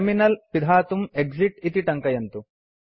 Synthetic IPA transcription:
minɐlpid̪ʱaːt̪umeɡd͡ʒiʈit̪iʈɐŋkɐjɐnt̪u

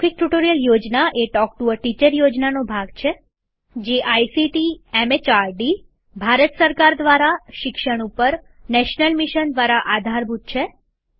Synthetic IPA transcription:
ik̚ʈuʈoɾijəljod͡ʒnaʔeʈɔk̚ʈuʋəɾʈit͡ʃəɾjod͡ʒnanobʱaɡt͡ʃʰe | d͡ʒeʔajsiʈiɛmet͡ʃaɾɖi | bʱaɾət̪səɾkaɾd̪ʋaɾaʃɪkʃəɳ̃upəɾ | nɛʃnəlmiʃənd̪ʋaɾaʔad̪ʱaɾbʱut̪̚t͡ʃʰe

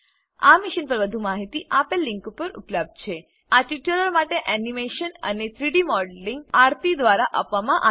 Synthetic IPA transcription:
a̰miʃinpəɾʋəd̪ʱumaɦit̪iʔapelːiŋkupəɾṵpləb̚d̪̚t͡ɕʰe | aʈiʈjuləɾmaʈeʔænimeʃənə̰net̪ʰɾiɽimɔɖəlːiŋɡaɾt̪id̪ʋaɾaʔapʋamãʔa

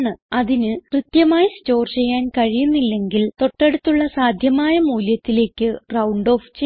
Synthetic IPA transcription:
ɳɨɐðinɨkrɨt̪jɐmaːjɐsto̞ːrt͡ɕe̞jːaːnkɐɻijunːilːe̞ŋɡilt̪o̞ʈːe̞ɽut̪ːuɭːɐsaːd̪ʱjɐmaːjɐmuːljɐt̪ːile̞ːkʲːɨrɐwɳɖo̞ːft͡ɕe

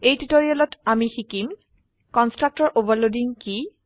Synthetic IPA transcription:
ejtutoɹialɔtamixikim | kɔnstɹak̚tɔɹʔobɔlodiŋki

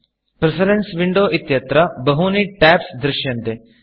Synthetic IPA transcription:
pɾɪsəɾensʋɪɳɖoːʔɪt̪jət̪ɾaːbəɦuːniːʈɛːpsd̪ɾɪʃjənd̪eː

